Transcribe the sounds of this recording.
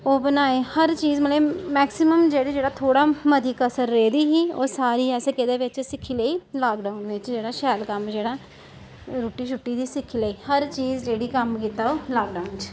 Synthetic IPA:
oːbənaːeːhəɾt͡ʃiːzmət̪leːmɛːksɪməmd͡ʒeːɽiːd͡ʒeːɽaːt̪ʰoːɽaːməd̪ʱiːkəsəɾːeːd̪iːɦiːoːsaːɾiːɛːseːkeːd̪eːʋɪt͡ʃsɪkʰːiːləiːlaːkɖaːunʋɪt͡ʃd͡ʒeːɽaːʃɛːlkəmd͡ʒeːɽaː | ɾuːʈiːʃʊʈːiːd̪iːsɪkʰːiləiːhəɾt͡ʃiːzd͡ʒeːɽiːkəmkiːt̪aːoːlaːɡɖaːʊnt͡ʃ

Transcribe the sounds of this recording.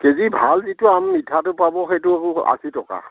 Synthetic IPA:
kezibʱalzitʊamnidʱatʊpabɔxetʊa̰sitɔka̰

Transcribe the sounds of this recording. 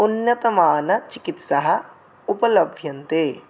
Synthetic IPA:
ʊnːɐt̪ɐmaːnɐt͡ʃɪkɪt̪sɐɦɐ̆ | ʊpɐlɐbʱjɐnt̪eː

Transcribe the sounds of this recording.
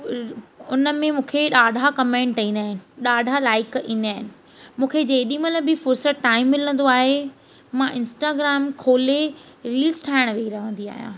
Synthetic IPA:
ʊnəmẽmũːkʰeɗaːɖʱakɐmẽːɳʈĩːn̆d̪aːɦɪnɪ̆ɗaːɖʱalaːɪkĩːnd̪aːɦɪnɪ̆ | mũːkʰed͡ʑeɦɗĩməlbɪfʊɾsəʈaːɪmːɪlə̃nd̪oaːɦe | mãʔɪ̃nsʈaːɡɾaːmkʰoːle | ɾiːlsʈʰaːɪɽ̃ʋeiɾɐʋə̃nd̪ia̰ːɦijã̰ː

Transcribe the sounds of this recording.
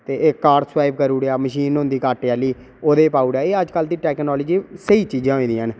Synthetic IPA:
t̪eːʔeːkːaːɾsʋaːɪbkəɾuːɽeaːməʃiːnɦʊ̃nd̪iːkaːʈeaːliː | oːd̪eːpaːuːɽaːeːəd͡ʒkəld̪iːʈɛːknɔːləd͡ʒiːsəiːt͡ʃiːd͡ʒãːɦoĩːd̪ĩən

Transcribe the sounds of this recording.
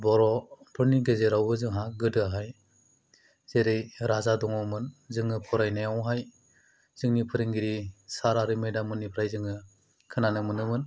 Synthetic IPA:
bɔɾɔpʰɯɾniɡezeɾawɯzɯŋɦaɡɯdɯɦaj | zeɾejɾazadɔŋawmɯnzɯŋɯpʰɔɾajnajawɦaj | z̥ɯŋnipʰɯɾiŋɡiɾisaɾaɾɯmɯjdamɯnːipʰɯɾajzɯŋɯ | kʰɯnanɯmɯnɯmɯn

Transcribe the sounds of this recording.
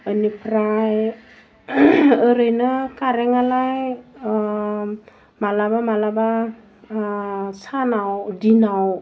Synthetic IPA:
ənipɾaj | əɾəjnəkaɾɛŋalaj | malabamalaba | sanawdinaw

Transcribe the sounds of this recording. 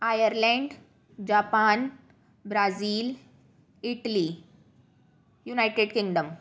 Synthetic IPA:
ajəɾlɛ̃ɳɖ | d͡ʑapaːn | bɾaziːl | iʈəli | junajʈeɖkiŋɡɖəm

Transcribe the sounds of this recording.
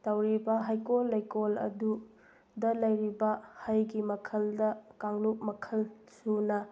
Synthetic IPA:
tɐwɾibɐɦajkolːɐjkolɐ̰du | dɐlɐjɾibɐhɐjɡimɐkʰɐldɐkaŋluk̚mɐkʰɐlsunɐ

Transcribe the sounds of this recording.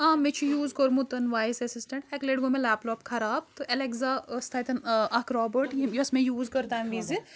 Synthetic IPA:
ãːmẽt͡ʃʰijuːzkəɾmũt̪ɐnʋaːjsɐsɪsʈɐ̃ɳʈekleɽɡõmẽlɛːpʈɔːpkʰɐɾaːb̚t̪oʔɛleɡzast̪ʰait̪ɐnɐkʰɾɔːbəɾʈjijɐsmẽjuːzkɐɾt̪aːɦʋizi

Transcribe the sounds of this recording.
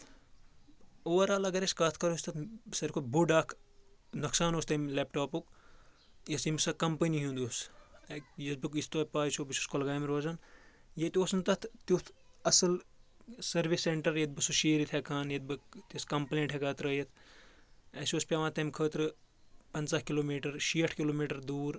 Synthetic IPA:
oːɐɾaːlɐɡɐɾeskaːt̪ʰkɐɾoːsʲt̪ɐt̪sɐɾkʰot̪buɖaːkʰnɐksaːnoːst̪ɐmleːpʈoːpuk | jɐsimsɐkɐmpəniɦũnd̪oːsekjɐsbɨkist̪oːpaːt͡ʃoːbɨsuskolɡaːmɾoːzɐnjet̪ʲoːsɨnt̪ɐt̪ʰt̪ut̪ʰ | ɐsɨl | sɐɾʋiseɳʈɐɾjɐt̪̚bɨsuʃeːɾit̪ʰekʰaːnjɐt̪̚bɨkt̪iskɐmplẽːɳʈɦekɐːt̪ɾəːjɐt̪ʰ | esʲoːspʲaʋãːt̪ɐmʲkʰəːt̪ɾɨ | pɐnt͡sakiloːmiːʈɐɾʃiːəʈʰkiloːmiːʈɐɾd̪uːɾ

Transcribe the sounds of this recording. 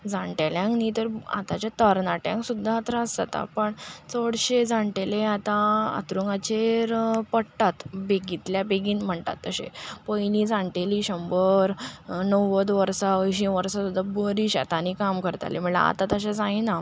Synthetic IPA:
d͡zãɳʈaljãŋknit̪əɾa̰t̪at͡ɕat̪əɾnaʈjãŋksud̪ʱːaːt̪ɾaəst̪a̰t̪a̰pəɳt͡səɽɕed͡zãɳʈeleat̪ãa̰t̪ɾuŋɡat͡ɕeɾpəɽʈ̪at̪beɡit̪ljabeɡiːnm̤əɳt̪a̰t̪ːəɕḛpəjnĩd͡zãɳʈeliːɕəmbəɾnəwət̪ʋəɾsaəjɕĩʋəɾsasud̪ʱːabəɾiɕa̰t̪anikamkəɾt̪a̰lim̤əɭa̰a̰t̪at̪əɕ̬ad͡zãina

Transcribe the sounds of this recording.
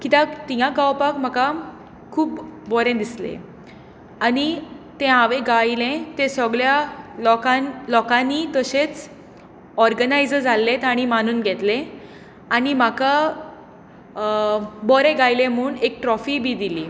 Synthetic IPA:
kit̪ãt̪ijãkawpakm̤aka | kʰuːpbɔɾẽd̪islḛ | añit̪ẽɦãʋẽɡailẽt̪esəɡɭjalɔkanlɔkãnːit̪əɕet͡s | ɔɾɡənajd͡zəd͡zʱalːet̪aɽ̃imanuːnɡʱɛt̪lẽ | aɽimaka | bɔɾẽɡajlẽm̤əuːnekʈɾɔfibʱiːd̪iliː

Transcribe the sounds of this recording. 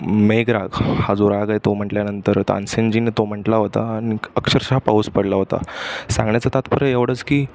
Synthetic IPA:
meɡɾaɡhad͡zuɾaɡajt̪om̤əɳʈljanənt̪əɾt̪a̰nsend͡ʑinet̪om̤əɳʈlaɦot̪aːñiəkɕəɾɕɦapauːspəɽlaɦot̪a̰sãŋɡɳjat͡sat̪at̪pəɾəeʋɽ̤ət͡skiː

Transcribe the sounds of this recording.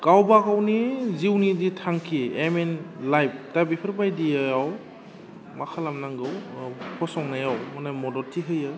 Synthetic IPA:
kawbakawniziwniditʰaŋkʰiemenlajp̚tabipʰɯɾpajdijaaw | makʰalamnaŋɡɯwpʰɔsɔŋnajawmanamɔdɔltʰiɦɯjɯ

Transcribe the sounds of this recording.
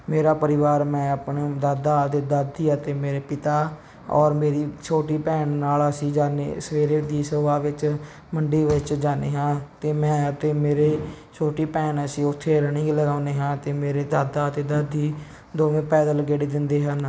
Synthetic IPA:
meːɾaːpəɾɪʋaːɾmɛ̃ːəpɳeːd̪aːd̪aːt̪eːd̪əd̪iːət̪eːmeːɾeːpɪt̪aː | ɔːɾmeːɾiːt͡ʃʰoːʈiːpɛːɳnaːləsĩːd͡ʒaːnḛːsəʋeːɾeːd̪iːsəʋaːʋɪt͡ʃ | məɳɖiːʋɪt͡ʃd͡ʒaːneːɦãːt̪eːmɛ̃ːət̪eːmeːɾeː | t͡ʃʰoːʈiːpɛːnəsĩːʊt̪ʰːeːɾəɳĩːɡləɡaːʊneːɦãːt̪eːmeːɾeːd̪aːd̪aːt̪eːd̪əd̪iː | d̪oːʋẽːpɛːd̪ələɡeːɽeːd̪ɪnd̪eːɦən

